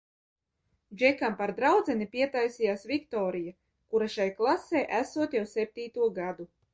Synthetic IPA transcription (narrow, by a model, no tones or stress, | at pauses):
d͡ʒɛkampaɾd̪ɾawd̪zɛnipʲiɛt̪ajsijaːsvʲikt̪ɔːɾija | kuɾaʃajklˠaseːʔæsuɔt̪jawsep̚ʲt̪iːt̪uɔɡad̪u